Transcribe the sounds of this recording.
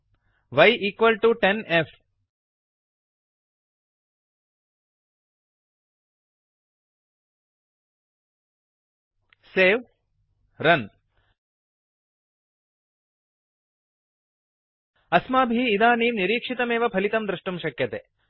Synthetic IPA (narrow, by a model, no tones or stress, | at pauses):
ʋɐjʔiːkʋɐlʈuʈenefʰ | seːʋ | ɾɐn | ɐsmaːbʱiːd̪aːniːmniɾiːkʂit̪ɐmeːʋɐpʰɐlit̪ɐmd̪ɾuʂʈumʃɐkjɐt̪ḛ